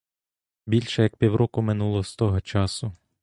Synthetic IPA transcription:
bʲilʲʃɛjɐk̚pʲiwɾʔɔkʊmɪnulˠɔst̪ɔɦɔt͡ʃɑsʊ

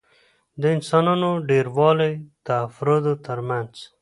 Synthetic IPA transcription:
d̪əɪnsɑnɑnoɖeɾwɑlejd̪əːfɾod̪ot̪əɾmanz̥

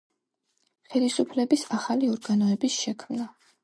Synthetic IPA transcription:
χɛlisupʰlɛbisaχaliɔɾɡanɔɛbisʃɛkʰmna

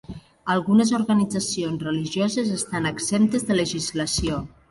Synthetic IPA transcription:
əlˠɣunezoɾɣənid͡zəsionzrəliʒiɔzezest̪anəksemt̪ezðələʒizləsio

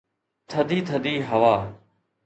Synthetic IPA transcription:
t̪ʰəd̪iːt̪ʰəd̪iːɦəʋaː

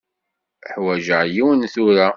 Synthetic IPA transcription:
ħwæʒəʕjiwənθʊɾa

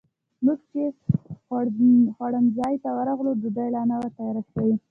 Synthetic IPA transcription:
muɡt͡ʃe | xwaɽənzɑjt̪awəɾaɣlod̪ud̪ajlɑnawəɾt̪ajɾasawi

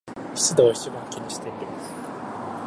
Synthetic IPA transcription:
çi̥t͡sɨd̪oːi̥t͡ɕibãŋ̃kʲiɲ̟iɕi̥t̪e̞iɾʲimasɨ̥

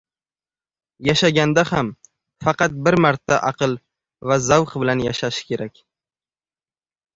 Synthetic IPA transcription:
jaʃaɡʲand̪aham | fɑqɑt̪̚bɪɾmaɾt̪ʰːaʔɑqʰɨlˠ | vazawqbɪlanjaʃaʃɪ̥kʲʰe̞ɾakʲ

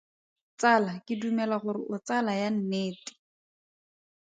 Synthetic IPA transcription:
t͡salakɪdumɛlaχʊɾɪʔʊt͡salajan̩neːti̥

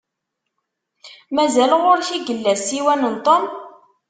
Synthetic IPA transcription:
mæzælʁoɾçiɡəlːæsiwænənt̪ˤom

